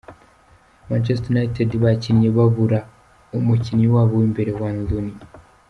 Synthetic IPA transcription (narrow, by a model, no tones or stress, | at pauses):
mant͡ʃestonaitedβacinjeβaβuɾa | umucinɲiwaːβowimbe̞ɾewaːnzuni